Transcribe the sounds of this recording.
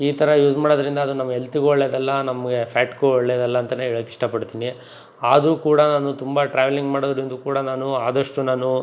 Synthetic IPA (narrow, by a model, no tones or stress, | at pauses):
iːt̪ɐɾɐjuːd͡ʒmaːɽod̪ɐɾind̪ɐːd̪unɐmɐɡɐelt̪iɡɔɭːeːd̪ɛlːɐnɐmɐɡe̞pʰaːʈkuɔɭːed̪ɛlːɐːnt̪ɐneːɭɐkiʂʈɐpɐɽt̪ini | aːd̪uːkuːɽɐnaːnut̪umbɐʈɾaːʋeliŋɡmaːɽod̪ɐɾind̪ukuːɽɐnaːnuaːd̪ɐʂʈunaːnu